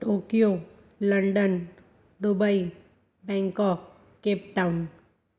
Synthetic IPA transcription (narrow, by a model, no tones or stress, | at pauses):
okijo | ləɳɖən | d̪ubəi | bɛ̃ŋkɔk̚ | kːep̚ʈaun